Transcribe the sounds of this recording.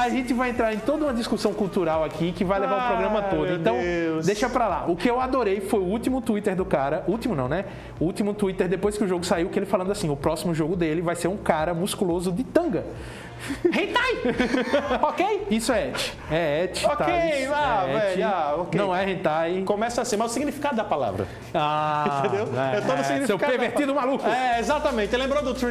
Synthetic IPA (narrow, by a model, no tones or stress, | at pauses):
aʒẽnt̪ɪvajẽnt̪ɾaɾẽt̪od̪ɐũmɐd̪iskusɐ̃w̃kuwt̪uɾawakʰikɪvajlevaɾʊpɾoɡɾɐ̃mɐt̪od̪ʊẽt̪ɐ̃w̃d̪ejʃɐpɾala̰ʔʊkɪewad̪oɾejfojʊut̪imʊt̪uit̪eɾd̪ʊkaɾɐʔuwt̪imʊnɐ̃w̃nɛ | ut̪imʊt̪uit̪eɾd̪epojskɪʊʒoɡʊsaiwkɪelɪfalɐ̃nd̪asĩʊpɾɔsimʊʒoɡʊd̪elɪvajseɾũkaɾɐmuskulozʊd̪ɪt̪ɐ̃ɡɐ | hẽt̪aj | okejisʊɛɛt͡ʃɪ̥ | ɛɛt͡ʃɪot̪aejaɛvɛʎaokeɐ̃w̃ɛhẽt̪ajkõmɛsɐasĩmɐzʊsiɡnifi̥kad̪ʊd̪ɐpala̰vɾɐ̰ | ãt̪ẽd̪ewɛɛt̪od̪ʊssiɡɡnifsekapeveɾt̪id̪ʊmalukʊɛezat̪ɐmẽt̪ɪelẽmbɾod̪ʊt̪ɾ